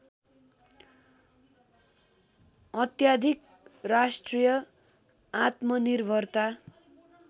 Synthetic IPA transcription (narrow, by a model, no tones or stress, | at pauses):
ʌt̪jad̪ʱik | rasʈrijʌ | at̪mʌnirbʱʌrt̪a